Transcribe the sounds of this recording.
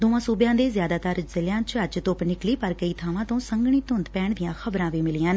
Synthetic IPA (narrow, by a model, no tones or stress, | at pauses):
d̪oːãːsuːbjãːd̪eːzjaːd̪aːt̪əɾzəljãːt͡ʃəd͡ʒt̪ʊpnɪkliːpəɾkəiːt̪ʰaːʋãːt̪õːsəŋɡɳ̃iːt̪ʊnd̪pɛːɳd̪ɪjãːxʰəbɾãːʋiːmɪliːãːn